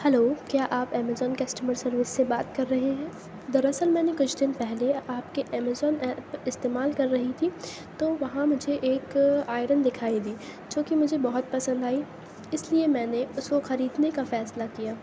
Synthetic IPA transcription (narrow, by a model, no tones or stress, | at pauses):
hɛloːkjaːʔaːpɛːmezɔːnkɐsʈəməɾsɐɾʋɪsːebaːt̪kɐɾːɐɦeɦɛ̃ː | d̪ɐɾɐsəlmɛ̃ːnekʊt͡ʃʰd̪ɪnpɛɦleaːpkeʔɛːmezɔːnɛːpɪst̪eːmaːlkɐɾːɐɦit̪ʰi | t̪oːʋɐɦãmʊd͡ʒʱeʔeːkaːɪɾənd̪ɪkʰaːid̪iːd͡ʒõːkimʊd͡ʒʱebɐɦʊt̪̚pɐsə̃nd̪aːi | ɪsliemɛ̃ːneʊskoxɐɾiːd̪nekafɛːslakijaː